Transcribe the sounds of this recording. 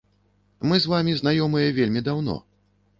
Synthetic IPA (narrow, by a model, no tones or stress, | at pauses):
mɨzvamʲizn̪ajɔmɨjɛvʲelʲmʲid̪awn̪ɔ̰